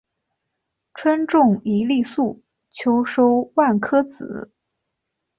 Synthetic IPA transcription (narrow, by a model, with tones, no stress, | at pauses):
ʈ͡ʂʰwə˥nʈ͡ʂʊ˥˩ŋi˧˥li˥˧su˥˩ | t͡ɕʰjo˥ʊʂo˥ʊwa˥˩nkʰɤ˥t͡sɹ̩˨˩˦